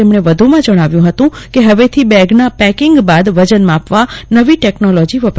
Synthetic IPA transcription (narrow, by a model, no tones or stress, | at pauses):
emɽ̃eʋəd̪ʱumãd͡ʒəɽ̃aʋjũɦət̪ũkeɦəʋet̪ʰibɛɡnapɛkɪŋɡbad̪ʋəd͡ʒənmãapʋanəʋiʈɛknolɔd͡ʒiʋəpɾ